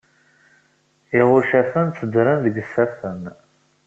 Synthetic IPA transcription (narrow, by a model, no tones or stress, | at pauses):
ɪʁʊɾʃæfənt͡sːəd̪ɾənðəɡsːæfən